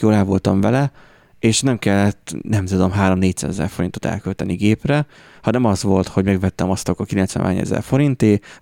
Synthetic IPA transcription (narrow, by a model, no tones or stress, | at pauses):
joːlaːvo̞lt̪ɒɱvɛlɛ | eːʃnɛmkɛlːɛt̪ːnɛmt̪ud̪omɦaːɾo̞mneːcsa̰ːzɛzɛ̰rfo̞ɾint̪o̞t̪ɛ̰lkølt̪ɛniɡeːprɛ | hɒnɛmɒzʋo̞lt̪ho̞ɟmɛɡvɛt̪ːɛmɒst̪ɒkɒkilɛnt̪sʋɛ̰nʔa̰ːɲɛ̰zɛ̰rfo̞ɾint̪eː